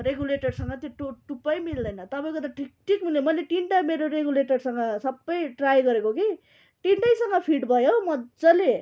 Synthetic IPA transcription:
ɾeɡuleʈʌrsʌŋɡʌt̪joʈoʈupʌjmild̪ʌjnʌt̪ʌpãj̃kot̪aʈʰik̚ʈʰik̚munjemʌjleʈiɳʈameɾoɾeɡuleʈʌrsʌŋɡʌsʌbːʌjʈrajɡʌɾekoke | ʈiɳʈʌjsʌŋɡʌpʰiʈbʱʌjomʌd͡zʌle

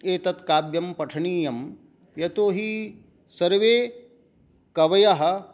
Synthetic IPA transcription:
eːt̪ɐt̪kaːbjɐmpɐʈʰɐɳiːjɐm | jɐt̪oːɦi | sɐɾʋeː | kɐʋɐjɐɦɐ̆

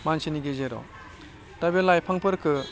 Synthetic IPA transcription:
manseniɡezeɾɔ̰ | tabelajpʰaŋpʰɯɾkʰɯ

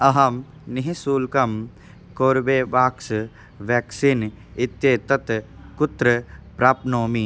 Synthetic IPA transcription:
ɐɦɐm | niɦisuːlkɐm | koːɾbeːʋaːks | ʋeːksin | ɪt̪jeːt̪ɐt̪kʊt̪ɾəpɾaːpnoːmi

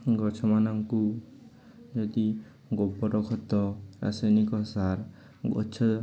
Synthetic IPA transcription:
ɡɔt͡ʃʰɔmanɔŋku | d͡ʒɔd̪i | ɡɔbɔɾɔkʰɔt̪ːɔɾa̰sajnikɔsaɾ | ɔ̰t͡ʃʰɔ

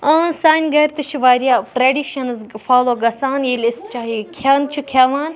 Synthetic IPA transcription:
ɐ̃saːnʲɡɐɾʲt̪ɨt͡ʃʰiʋaːɾijaːʈɾeɖiːʃɐnzfʰaːloːɡɐsaːnjiːlʲist͡ʃaːikʲʰaːnt͡ʃʰikʲʰaːʋaːn

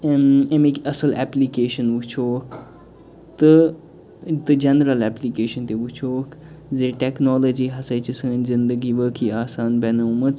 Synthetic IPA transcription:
memekɐsəlɛplikeːʃənʋut͡ʃʰoːkʰ | t̪ɨ | t̪ɨd͡ʒɐnɾəlɛplikeːʃɐnt̪eʋut͡ʃʰoːkzeːʈɛknɔːlod͡ʒiːɦɐsajt͡ʃisɐɡənzind̪əɡiʋəkʰiaːsaːnbɛnoːmɨt͡s

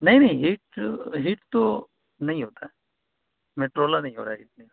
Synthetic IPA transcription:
nɐɦĩnɐɦĩɦiːʈɦiːʈt̪o | nɐɦĩɦoːt̪aɛ | meːʈɾoːlanɐɦĩɦo̰ːt̪aɦiːʈ̚nəɦĩ

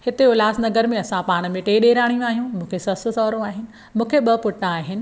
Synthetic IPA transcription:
hɪt̪eʊlaːsnɐɡəɾmẽɐsãpaːɽ̃ə̆mẽʈeːɗeːɾaːɽ̃ijõaːɦijũmũːkʰesɐsʊ̆sɔːɾõaːɦɪnɪ̆ | mũːkʰeɓɐpʊʈːãːɦɪnɪ̆

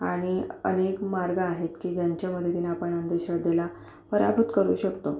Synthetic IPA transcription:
aɽ̃iə̰nekmaɾɡəaɦet̪kiːd͡ʑjaɲt͡ɕaməd̪ʱːjet̪ːinaːpəɳənd̪eɕəd̪ela | pəɾa̰bʱut̪kəɾuːɕəkt̪o

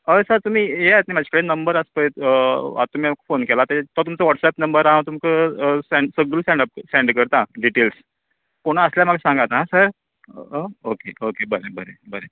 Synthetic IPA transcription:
əsəɾt̪um̤iːeat̪nimad͡ʑʰʱi̥kəɽenəmbəɾəspəj̪a̰t̪um̤ikafonkelat̪at̪ɔt̪umt͡səʋɔʈsɛpnəmbəɾɦãt̪umkəsɛ̃ɳɖsəɡluːsʈɛ̃ɳɖəp̚sʈɛ̃ɳɖkəɾt̪ãɖiʈels | koɽ̃aəsljamaɡasãŋɡat̪naɦãsəɾ | okeokebəɾebəɾebəɾe

